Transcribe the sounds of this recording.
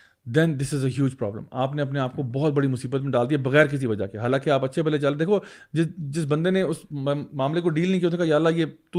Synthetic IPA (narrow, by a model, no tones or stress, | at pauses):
d̪ɛ̃nd̪ɪsɪzəɦjuːd͡ʒpɾɔ̰ːblə̰maːpneɐp̬neaːp̚kobɔːt̪̚bɐɽimʊsiːbət̪mẽɖaːld̪iabɐɣɛːɾk̬ɪs̬iʋɐd͡ʒa̰keɦaːlãːkeaːpɐtːʃʰebɛlet͡ʃald̪eːkʰo | d͡ʒɪd͡ʒɪs̬bɐ̃nd̪eneʊsmaːmlekoɖiːlnɐɦĩkiot̪ekajaːɐlːajeːt̪u